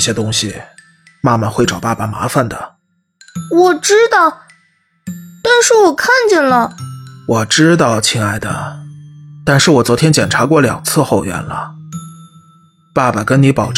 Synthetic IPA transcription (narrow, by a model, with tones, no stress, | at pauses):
ɕjɛ˥t̪ʊ˥ŋɕi˨ | ma˥˩ma˨xwe˥˩ɪʈ͡ʂɑ˨˩ʊpa˥˩ba˩ma̰˧˥fa˥˧nd̪ə̰˩ | wɔ˨˩ʈ͡ʂɻ̩˥t̪ɑ˥˩ʊ | t̪a˥˧nʂɻ̩˥˩wɔ˨˩kʰa˥˩nt͡ɕjɛ˥˩nlə˨˩wɔ˨˩ʈ͡ʂɻ̩˥t̪̬ɑ˥˩ʊt͡ɕʰi˥ŋa˥˩ɪd̪ə̰˩ | t̪a˥˧nʂɻ̩˥˩wɔ˨˩t͡swɔ˧˥t̪ʰjɛ˥nt͡ɕjɛ˨˩nʈ͡ʂʰa˧˥kwɔ˥˩ljɑ̰˨˩ŋt͡sʰɹ̩˥˧xo˥˩ʊɥɛ̰˧˥nlə̰˧ | pa˥˩ba˩kə˥nni˧˥pɑ˨˩ʊʈ͡ʂ